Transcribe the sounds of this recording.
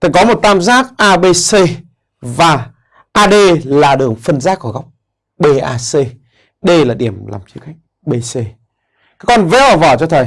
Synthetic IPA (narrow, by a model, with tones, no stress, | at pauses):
t̪ʰə˨˩jkɔ˨˦mo˨˩t̚t̪aː˧mzaː˦˥k̚ʔaː˧ɓe˧se˧ | vaː˨˩ | ʔaː˧ɗe˧laː˨˩ɗɨ˨˩əŋfə˧nzaː˦˥k̚ku˧˩ɣa˦˥wk͡p̚ | ɓe˧ʔaː˧se˧ | ɗə˧jlaː˨˩ɗi˧˩əmla̰ː˨˩mt͡ɕɨ˨˦ka˦jk̟̚ | ɓe˧se˧ | kaː˨˦kɔ˧nve˨˦ʔɔ˨˩vɔː˧˩t͡ɕɔ˧t̪ʰə˨˩j